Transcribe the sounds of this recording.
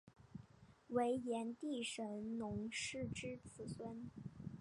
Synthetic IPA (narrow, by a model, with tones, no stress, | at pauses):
we˧˥ɪjɛ˧˥nt̪i˥˩ʂə˧˥ŋnʊ˧˥ŋʂɻ̩˥˩˧ʈ͡ʂɻ̩˥t͡sʰɹ̩˧˩swə˥n